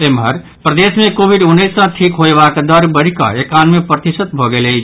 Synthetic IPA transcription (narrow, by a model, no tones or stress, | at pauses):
emɦəɾ | pɾəd̪esmekobʱiɖunːəjsːãʈʰikɦoebakd̪əɾbəɽ̤ikə̰ekanmepɾət̪isət̪bʱɔɡelej